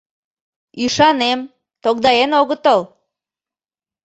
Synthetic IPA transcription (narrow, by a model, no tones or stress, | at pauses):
iʃɑnem | t̪ok̚d̪ɑjenoɣət̪əl